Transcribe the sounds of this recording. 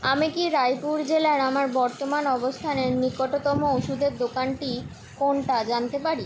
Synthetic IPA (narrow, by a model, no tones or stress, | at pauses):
amikiɾajpuɾd͡ʑelaɾamaɾbɔɾt̪omanɔbost̪ʰaneɾnikːoʈot̪ɔmooʃud̪eɾd̪okanʈi | konʈad͡ʑant̪epaɾi